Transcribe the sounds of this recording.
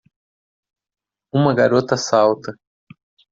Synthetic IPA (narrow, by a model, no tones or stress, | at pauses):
ũmɐɡaɾot̪ɐsawt̪ɐ